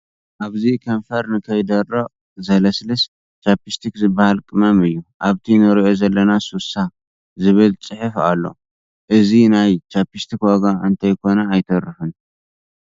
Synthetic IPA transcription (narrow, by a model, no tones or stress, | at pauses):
ʔaβzikʰɐnfɐɾnɨkʰɐjd̪ɐrːɐʔ | zɐlɐslɨs | t͡ʃapist̪ʰikzɨbːahalkʼɨmɐmɨjːuʔaβt̪ʰinɨɾiʔo̞zɐlːɐnasusa | zɨβɨlt͡sʼɨħɨfa̰lːo̞̰ | ʔɨzinajt͡ʃapist̪ʰikwaɡaʔɨnt̪ʰɐjkʰo̞nɐːjt̪ʰɐɾɨfɨn